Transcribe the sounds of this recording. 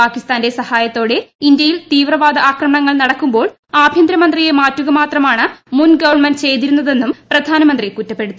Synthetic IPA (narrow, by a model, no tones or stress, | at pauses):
paːkːist̪aːnde̞sɐhaːjɐt̪ːo̞ːɽe̞ind̪jɐjilt̪iːʋrɐʋaːd̪ʱɐaːkrɐmɐɳɐŋːɐɭnɐɽɐkːumbo̞ːɭ | aːbʱjɐnd̪ɾɐmɐnd̪rije̞maːtːuɣɐmaːt̪rɐmaːɳɨmunɡɐʋɐrɳmɐnt͡ɕe̞jt̪̬iɾunːɐðe̞nːumprɐd̪ʱaːnɐmɐnd̪rikutːɐpːe̞ɽut̪ːu